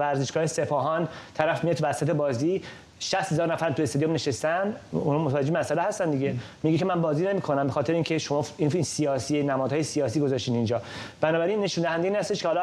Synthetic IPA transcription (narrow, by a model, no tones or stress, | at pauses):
væɾzeʃɡɒːhese̞pʰɒːɦɒnt̪ʰæɾæfmijet̪ʰuvæsæt̪ebɒːzi | ʃæst̪he̞zɒːɾnæfæɾmt̪uest̪od̪ijomne̞ʃest̪ænd̪unɒmot̪ʰævæd͡ʒeemæsælehæst̪ænd̪iɟemiɡekʰemænbɒːzine̞miːkʰonæmbexɒːt̪ʰe̞ɾeincʰe̞ʃo̞mɒːiinsijɒːsienæmɒːd̪ɒːjesiɒːsiːɡo̞zɒʃt̪inind͡ʒɒː | b̥ænɒːbæɾinːe̞ʃund̪æhænd̪einhæst̪e̞ʃkʰehɒːlɒ